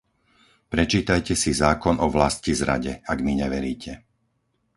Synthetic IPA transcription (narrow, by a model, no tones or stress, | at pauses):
pɾɛt͡ʃiːt̪ajcɛsizaːkɔnʔɔʋlascizɾa̰ɟɛaɡmiɲɛʋɛɾiːcʰɛ